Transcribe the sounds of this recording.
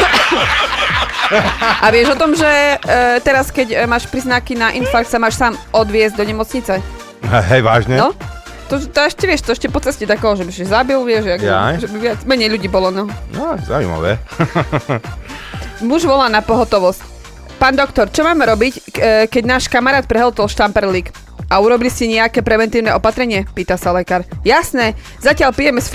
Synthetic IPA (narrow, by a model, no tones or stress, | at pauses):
ʔaʋɪɛʒɔt̪ɔmʒɛt̪ɛɾaskɛɟmaːʃpɾiznakinaʔinfaɾktsamaːʃsaːmɔd̪ʋɪɛzɟd̪ɔɲɛmɔt͡sɲit͡sɛ | ɛɦɛjʋaːʒɲɛnɔ | t̪ɔʒɛt̪ɔɛʃcɛʋɪɛʃt̪ɔɛʃcɛpɔt͡sɛscɛt̪akɛɦɔʒɛbiszabilʋɪɛʒaa̰ʒɛbiʋɪat͡smɛɲɛjʎuɟiːbɔlɔnɔnɔza̰ːṵjma̰ʋɛ̰ | muʒʋɔlaːnapɔɦɔt̪ɔʋɔsc | paːnd̪ɔkt̪ɔɾt͡ʃɔmaːmɛɾɔbickɛɟnaːʃkamaɾaːt̪̚pɾɛɦɛlt̪ɔlʃt̪ampɛɾliːk | ʔauɾɔbiliscɛɲɛakɛːpɾɛʋɛnt̪iːʊnɛɔpat̪ɾɛɲɪɛpiːt̪asalɛkaːɾjasnɛː | zacɪaʎpijɛmɛs